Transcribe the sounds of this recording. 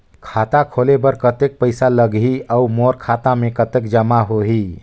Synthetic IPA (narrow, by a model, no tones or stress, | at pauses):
kʰat̪akʰolebəɾkət̪ek̚pəɪsaləɡɦiaumoɾkʰat̪amekət̪ekd͡ʒəmaɦoɦi